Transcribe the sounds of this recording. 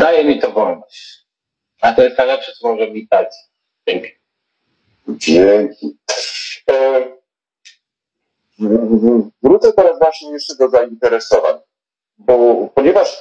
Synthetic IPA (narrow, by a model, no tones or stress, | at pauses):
d̪ajɛmʲit̪ɔvɔl | at̪ɔjɛst̪najlɛpʂɛsɔmɔʐɛvlʲit̪asʲi̥ | t͡ɕʲɛŋkʲi̥ | vʲjɛŋkʲi | vɾut̪sɛt̪ɛɾasvwaɕɲɛjɛʂt͡ʂɛd̪ɔzaint̪ɛɾɛsɔva̰ɲ | bɔpɔɲevaʂ